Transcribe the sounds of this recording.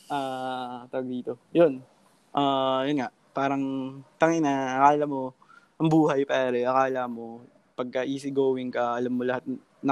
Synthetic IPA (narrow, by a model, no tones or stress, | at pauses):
ʔaːt̪ɐwɐɡ̚d̪iːt̪o̞jon | ʔaːjonŋaʔpaːɾɐŋt̪ɐŋɪnɐʔɐkaːlɐmo | ʔɐŋbuːhɐjpɛːɾɛʔɐkaːlamo̞ | pɐɡ̚kɐʔiːs̬ɪɡoːwɪŋkɐɐlamːolɐhat̪̚ | nɐ